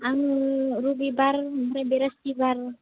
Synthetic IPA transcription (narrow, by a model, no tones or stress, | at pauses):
anuɾubibarmɾabeɾast̪ibar